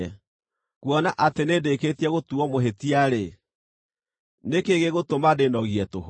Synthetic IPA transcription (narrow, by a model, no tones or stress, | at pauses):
ɛ | kuɔnaʔatenedeketiɛɣotuɔmoɦetiaɾe | nekeɣeɣotomadenɔɣiɛtoɦ